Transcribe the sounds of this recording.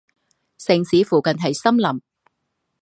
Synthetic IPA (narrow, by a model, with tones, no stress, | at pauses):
sɪ˨ŋsiː˨˧fuː˨˩kɐ˨nɦɐ˨jsɐ˥mlɐ˨˩m